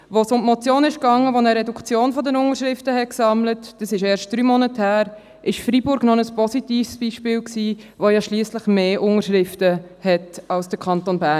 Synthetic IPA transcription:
ʋosʊntmɔt͡sjoːnɪʃkɑŋːəʋonəɾɛdukʰt͡sjoːnfɔdənʊŋəɾʃɾɪftəhɛt̚ksɑmlətd̥əsɪʃɛːɾʃt̚d̥ɾyːmɔnəthæːɾ | ʔɪʃfɾibʊɾɡnɔnəspɔsitiːfsb̥iːʃpɪːlksiːʋojɑʃliːəsləχmeːʔʊŋəɾʃʁɪftəhɛtɑlsd̥əɾkʰɑntonbæ

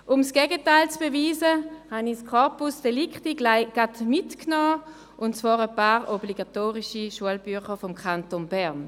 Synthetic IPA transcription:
ʔʊmsɡ̥ɛɡətaɪlt͡sb̥eviːzəhaniskʰɔɐpusd̥elikχtiaɡ̥admitknɔː | ʔʊntt͡svaːʁəpaːʁobliɡatoːʁiʃiʃuəlbyɐχəʁfomkʰχantonbɛʁn

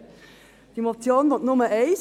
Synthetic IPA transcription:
d̥imot͡sjoːndotnʊməɛɪs

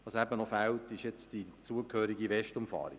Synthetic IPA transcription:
ɑsæbənɔfæltɪʃjɛt͡sd̥it͡suəkʰhøːɾiɡiʋɛʃtʊmfɑ̰ːɾḭ

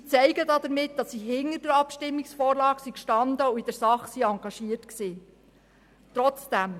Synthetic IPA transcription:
t͡sɛɪɡədɑd̥̪əɾmɪt̚d̥ɑsːiɦɪnəɾdəɾɑpʃtɪmːiksfɔːɾlɑːksikʃtɑnd̪əuid̥əɾsɑχsiɑŋɡ̥ɑʃiətksiː | tɾɔt͡sd̥æm

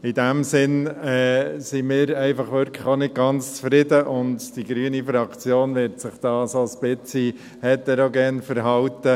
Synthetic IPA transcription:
ɪd̥æmsɪnɛːsimɪːɾɛɪfɑχʋʏɾkʰəχonɪd̚ɡɑnt͡st͡sfɾɪdəʔʊndd̥iɡɾyːənifɾɑkt͡sjoːnʋɪɾtsɪχd̥ɑːsosb̥ɪt͡si | hɛtːɛɾoɡɛnfəɾɦɑʊt̪ə

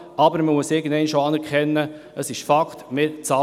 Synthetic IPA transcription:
ɑbəɾməmuəsɪɡən̩d̪ɛɪnʃoɑnɛɾkʰɛnːə | əsɪʃfɑkχtmɪɾt͡sɑ

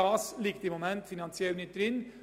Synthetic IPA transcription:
ɑːslɪkt̪əɪmɔmɛnt̪fɪnɑnsɪɛlnɪt̪ɾɪn

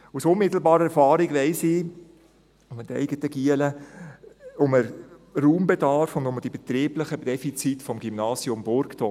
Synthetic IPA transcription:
usʊnmɪt̪l̩bɑːɾəɛɾfɑːɾiɡʋɛɪsɪ | ʊmətɛ̰ɪɡətəɡ̥iələ | ʊməɾɾuːmbedɑɾfʊndʊməd̥ib̥et̪ɾiːbləχəd̥ɛfit͡sitfɔmɡ̥ymnɑːsjʊmbʊɾktɔ

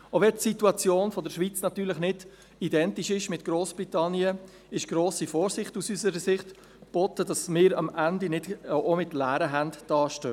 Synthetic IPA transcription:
ovɛtsituɑt͡sjoːnfɔdəɾʃʋit͡snɑt̪yːɾləχnɪd̥ | idɛntiʃɪʃmɪtɡ̥ɾoːsb̥ɾitɑnjə | ɪʃɡ̥ɾoːsifoːɾsɪχtusysəɾəsɪχt | b̥ɔt̪ədɑsmɪːɾɑmændinɪd̥ʔomɪtlæːɾəɦæntd̥ɑːʃtøː

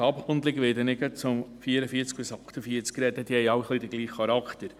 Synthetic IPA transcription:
ɑpχʊnd̪lɪɡʋɪːdənɪɡət͡sʊmfiːəɾəfiːt͡sk̚bɪsɑχt̪əfiət͡skɾɛd̪əd̥ihɛɪjɑwχlidəɡliːχːɑɾɑkχt̪əɾ

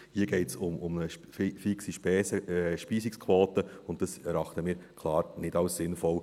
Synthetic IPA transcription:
hiːəɡ̥ɛɪtsʊmʊmnə | fiksiʃpɛːsəʃpiːsikskʰʋoːtəʊntd̥ɑsɛɾɑχtəmiːɾkʰlɑːɾnɪdɑʊsːɪnfɔw

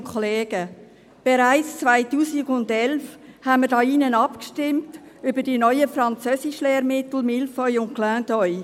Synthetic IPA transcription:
kʰχɔleːɡə | b̥eɾaɪt͡st͡svaɪtuːsiɡʊndɛlfhænmədɑːinənɑpkʃtɪmtʏbədinɔʏəfrɑnt͡søːsɪʃlɛːɾmɪt̪l̩mɪlfɔʏʊnklæ̃ːdɔʏ

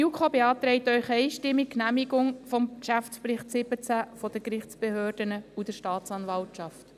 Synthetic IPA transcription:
ukʰobeɑːt̪ɾɛɪtœʏχɛɪʃtɪmːikkːnæmiɡʊŋfɔmkʃæftt͡spɾɪχtsɪbət͡sæfɔd̥̪əkɾɪχt͡sb̥ehøːrd̥ənəud̥əʃtɑːt̪t͡sɑnvɑltʃɑft

